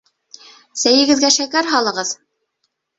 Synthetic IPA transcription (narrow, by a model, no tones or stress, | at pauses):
sæjɘ̆ɡɘ̆ðɡæʃækæɾɦɑlˠɤ̆ʁɤð